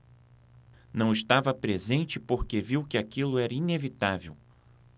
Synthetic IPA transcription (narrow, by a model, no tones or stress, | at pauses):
nɐ̃w̃ɪst̪avɐpɾezẽnt͡ʃɪpoɾkeviwkɪakilʊɛɾɐinevit̪avḛw